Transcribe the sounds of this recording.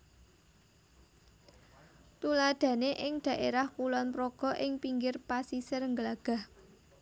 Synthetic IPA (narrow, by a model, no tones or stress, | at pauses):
t̪ulad̪̥ä̤neʔɪŋd̪̥ä̤ʔeɾahkulɔnpɾoɡ̥ɔ̤ʔɪŋpiŋɡɪrpasisɪrŋɡəlaɡ̥a̤h